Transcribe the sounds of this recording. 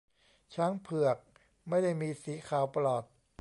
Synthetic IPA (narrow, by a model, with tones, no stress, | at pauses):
t͡ɕʰaː˦˥ŋpʰɯ˨˩ək̚ | ma˥˩jda˥˩jmiː˧siː˩˦˥kʰaː˨˩wpa˧lɔː˨˩t̪̚